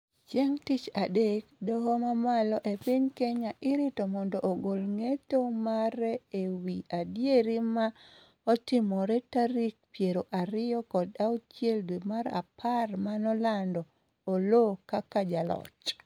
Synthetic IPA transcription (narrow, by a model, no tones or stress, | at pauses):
t͡ʃeŋtit͡ʃadekdɔhɔmamalɔʔepɪɲkeɲaʔɪɾitomɔndɔʔːɡolŋetomaɾɛewiadjeɾima | ɔtɪmɔɾetaɾik̚pjeɾoʔaɾɪjɔkɔdaut͡ʃjeldwimaɾa̰pʰarmanɔlandɔː | lokakad͡ʒalɔ̰t͡ʃ